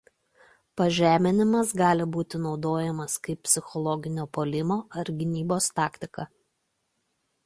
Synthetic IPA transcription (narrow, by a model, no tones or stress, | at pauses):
pɐʒʲæːmʲɪnʲɪmɐsɡɑːlʲɪbuːt̪ʲɪnɒʊd̪oːjɛmɐskɐɪp̚ʲpʲsʲɪxɔlˠɔɡʲɪnʲoːpoːlʲɪmoːɐɾɡʲɪnʲiːboːst̪ɑːkʲt̪ʲɪkɐ